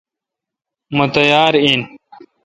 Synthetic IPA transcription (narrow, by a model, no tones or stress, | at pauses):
mut̪ɐjaːɾin